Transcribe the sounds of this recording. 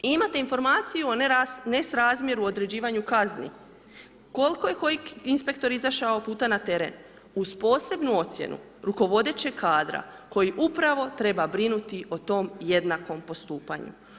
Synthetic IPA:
imat̪einfo̞ɾmaːt̪sijuonnesɾaːzmjeɾuo̞d̪ɾe̞d͡ʑiːʋaɲukaznḭ | ko̞lko̞je̞ko̞jikinspe̞kt̪o̞ɾizaʃaopuːt̪anat̪e̞ɾe̞̰n | uzpo̞ːse̞bnuo̞t̪sjḛnṵ | ɾuko̞ʋo̞d̪e̞t͡ɕe̞ɡkʰaːd̪ɾa̰ko̞jiʔupɾaʋo̞t̪ɾe̞babɾinut̪io̞t̪o̞mjed̪nako̞mpo̞st̪uːpa̰ɲṵ

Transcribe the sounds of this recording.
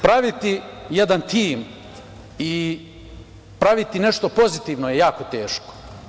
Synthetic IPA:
pɾaʋit̪ijed̪ant̪iːm | i | pɾaʋit̪ineʃt̪o̞po̞zit̪iːʋnojejaːko̞t̪e̞ːʃko̥

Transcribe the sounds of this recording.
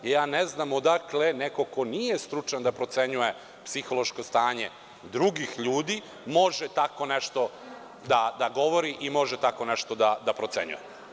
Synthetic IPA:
jaːneznamod̪akle̞neko̞ko̞niːje̞st̪ɾut͡ʃand̪apɾo̞t̪se̞ɲuje̞ | psixo̞lo̞ʃko̞st̪aːɲe | d̪ɾuɡixʎuːd̪i | mo̞ʒet̪ako̞neʃt̪o̞ | d̪ad̪aɡo̞ʋo̞ɾiʔimo̞ʒɛt̪ako̞neʃt̪od̪ad̪apɾot̪se̞̰ɲṵje

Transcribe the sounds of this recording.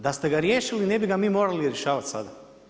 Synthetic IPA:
d̪ast̪e̞ɡaɾjeːʃilinebiɡamiːmoːɾaliɾje̞ʃaːʋat̪sa̰d̪a

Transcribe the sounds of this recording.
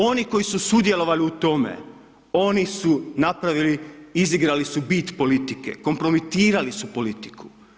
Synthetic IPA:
o̞niko̞jisusud̪je̞lo̞ʋaliut̪o̞mḛ | o̞nisunapɾaʋiliiziɡɾalisubit̪po̞lit̪ike̞̰ko̞mpɾo̞mit̪iːɾalisupo̞lit̪i̥kʰu̥

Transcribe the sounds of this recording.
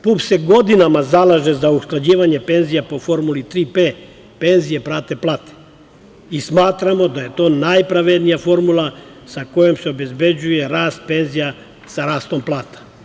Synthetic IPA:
pupseɡo̞d̪inamazalˠaʒezausklˠad͡ʑiːʋaɲe̞pe̞nzijapo̞fo̞ɾmulit̪ɾiːpeː | pe̞nzije̞pɾaːt̪eplˠaːt̪e̥ | ismaːt̪ɾamo̞d̪aje̞t̪o̞ːnajpɾaʋed̪nijafo̞ɾmulˠa | sako̞jo̞mseo̞be̞zbe̞d͡ʑuje̞ɾaːst̪̚pe̞nzija | saɾaːst̪o̞mplˠaːt̪ḁ

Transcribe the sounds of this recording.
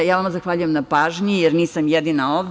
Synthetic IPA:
jaːʋamazaxʋaːʎujemnapaːʒɲijeɾniːsamjed̪inaoʋ

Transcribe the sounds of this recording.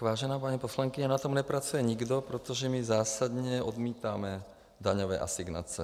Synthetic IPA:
ʋaːʒɛnaːpaɲipɔslaŋkiɲanat̪ɔmnɛpɾat͡sujɛɲiɡd̪ɔpɾɔt̪ɔʒɛmizaːsad̪ɲɛɔd̪miːt̪aːmɛ | d̪aɲɔʋɛ̰ːʔa̰siɡna̰t͡sɛ

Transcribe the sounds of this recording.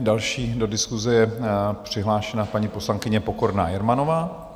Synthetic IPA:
dalʃiːdo̞dɪskuzɛjɛpr̝̥ɪɦlaːʃɛnapaɲipo̞slaŋkɪɲɛpoko̞ɾna̰ːjɛɾmanovaː

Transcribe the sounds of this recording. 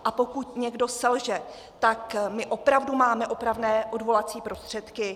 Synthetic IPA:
ʔapo̞kut̪ɲɛɡdo̞sɛlʒɛ | t̪akmɪʔo̞pɾavdumaːmɛʔo̞pɾavnɛːʔo̞dvo̞lat͡siːpɾo̞st̪r̝̥ɛt̪kɪ

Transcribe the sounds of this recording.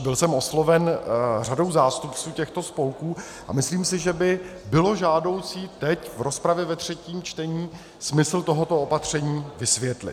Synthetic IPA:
bɪlsɛmo̞slo̞vɛnr̝ado̞wzaːst̪upt͡suːcɛxt̪o̞spo̞wkuː | ʔa̰mɪsliːmsɪʒɛbɪbɪlo̞ʒaːdo̞wt͡siːt̪ɛcvɾo̞spɾavjɛvɛt̪r̝̥ɛciːmt͡ʃt̪ɛɲiː | smɪsl̩t̪o̞ɦot̪o̞opat̪r̝̥ɛɲiːvɪsvjɛt̪lɪ̰t̪

